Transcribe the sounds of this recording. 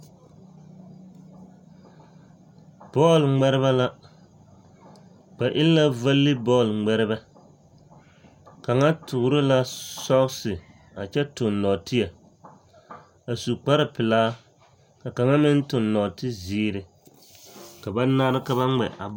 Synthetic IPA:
b̥ɔː˦˨lŋ͡mɛ˦ɾɪ˦βa˦la˦ | k͡pa˨ʔɪ˦lla˦va˦lːɪ˦bɔ˦˨lŋ͡mɛ˦ɾɪ˦ba˦ | ka˨ŋa˦tʰʊ˨ɾɪ˦la˦sɔ˦ɣsɪ˨ | a˨t͡ʃɛ˦tʊ˨nːɔ˨tɪ˦ja˨ | a˨su˨k͡pa˦ɾɪ˨pɪ˨laː˦ | ka˨ka˨ŋa˦mɪ˦n˦tʊ˨nːɔ˨tɪ˦ziː˦ɾɪ˨ | ka˨ba˦na˦ɾɨ˦ka˦βa˦ŋ͡mɛ̰˨ʔa̰˨b

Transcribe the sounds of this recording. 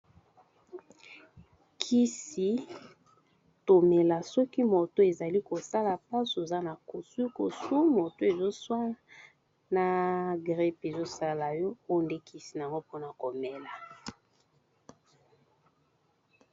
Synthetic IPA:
kʰi˦si˨ | to˨me˨la˨sɔ˦ki˦mo˨to˦e˨za˨li˦ko˨sa˦la˨pa˦su˨e˨za˦na˨ko˨su˦i˦ko˨su˦mo˨to˦e˨zo˦swa˦ | na˨ɡʁɛ˦pe˨zo˦sa˦la˨jɔ˦o˦nde˦kʰi˦si˨n˨a˨ŋɡo˦po˦na˨ko˨mɛ˨la˨

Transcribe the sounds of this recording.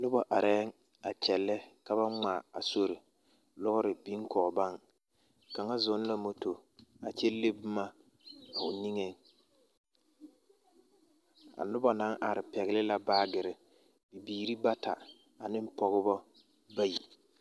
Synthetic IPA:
nʊ˦bɔ˨ʔa˨ɾɛː˦ŋ | a˨t͡ʃɛ˨lːɛ˦ka˦βa˦ŋ͡ma˨a˨so˦ɾɪ˨ | lʊ˦ɣʊ˦ɾɪ˨bi˦ŋ˦kʰɔː˨ba˦ŋ | ka˨ŋa˦zʊ˨˦n˦la˦mo˦to˨a˨t͡ʃɛ˦le˦bʊ˦ma˦˨ | ʊ˨ni˦ŋe˨ŋ | a̰˨nʊ˦bɔ˨na˨˦ŋʔa˨ɾɪ˨pɛ˨ɣɪ˦lɪ˦la˦baː˦ɡɪ˨ɾɪ˨ | bi˨biː˨ɾi˦ba˦tʰa˨ | a˨nɪ˦m˦pɔ˨ɣɪ˦bɔ˦ | ba˦ji˨

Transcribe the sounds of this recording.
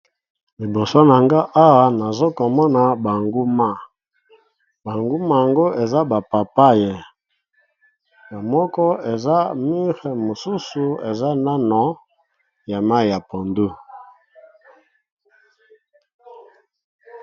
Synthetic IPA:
li˨bo˨so˦na˨ŋɡa˦ʔa˦wa˨na˨zo˦ko˨mɔ˦na˨ba˨ŋɡu˦ma˦ | ba˨ŋɡu˦ma˦ja˨ŋɡo˦e˨za˦ba˨pa˨pa˦je˦ | ja˨mɔ˦kɔ˦e˨za˦mi˦ʁɛ˨mo˨su˦su˨ḛ˨za˦na˦nɔ˨˦ | ja˨ma˦i˨ja˨po˨ndu˦

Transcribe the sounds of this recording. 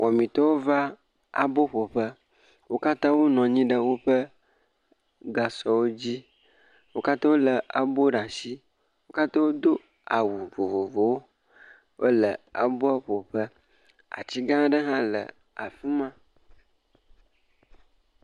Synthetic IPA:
wʔɔ˨mĩ˨t̪ɔ˦wo˦va˦ | a̰˨bo˦ɸo˨ɸə˦ | wo˦ka˦t̪ã˦wo˦nɔ̃˨ɲĩ˦ɖə˦wo˦ɸə˦ | ɡa˨sɔ˨wo˦d͡ʑi˦ | wo˦ka˦t̪ã˦wo˦lə˨ʔa˨bo˦ɖa˨si˦ | wo˦ka˦t̪ã˦wo˦d̪o˦ | a˨wu˨vo˨vo˨vo˨wo˦ | wo˦lə˨a̰˨bo˦a˦ɸo˨ɸə˦ | a̰˨t͡ɕi˦ɡã˦ɖə˦ɦã˦lə̰˨ | a˨fu˦mã˦

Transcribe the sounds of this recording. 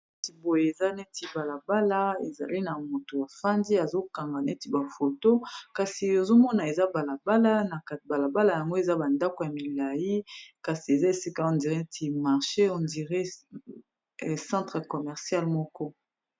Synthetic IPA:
ti˨bo˨je˨e˨za˦ne˦ti˨ba˨la˨ba˦la˦e˨za̰˨li˦na˨mo˨to˨ja˨fa˦ndi˦a˨zo˦ka˨ŋɡa˨ne˦ti˦ba˨fo˨to˦ka˨si˨jo˨zo˦mɔ˦na˨e˨za˦ba˨la˨ba˦la˦na˨ka˨ba˨la˨ba˦la˨ja˨ŋɡo˦e˨za˦ba˨nda˦ko˨ja˨mi˨la˨ji˦ka˨si˨e˨za˦e˨si˦ka˦ɔ̃˨ndi˨ʁe˦tʰi˨ma˨ʁʃe˦ɔ˨ndi˨ʁe˦˨ | sɑ̃˦tχe˨kɔ˨mɛ˨ʁsja˦lmɔ˦kɔ˦

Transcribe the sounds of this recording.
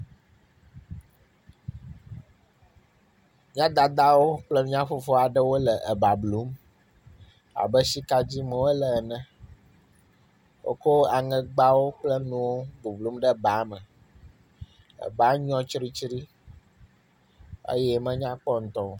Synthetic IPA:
ɲ˦ã˦d̪a˨d̪a˦wo˦k͡plə˦nũ˦ɲã˦fo˦fo˦a˨ɖə˦wo˦lə˨ʔə˨ba˨blu˨˦m | a̰˨bə˦si˦ka˦d͡ʑi˦mə̃˨wo˦lə˨nə̃˦ | wo̰˦ko˦a˨ŋɛ̃˦ɡ͡ba˦wo˦k͡plə˦nũ˦wo˦ɡu˨blu˨˦mɖə˦ba˨˦mə̃˨ | ə̰˨ba˨˦ɲɔ̃˦t͡ʃɾi˦t͡ʃɾi˦ | ḛ˦jɛ˦mə̃˦ɲã˦k͡pɔ˦n̩˨t̪ɔ˦˨

